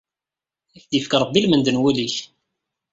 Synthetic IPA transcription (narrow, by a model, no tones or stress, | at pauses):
æfd̪ifkɾˤəbːilmənd̪ənwæliç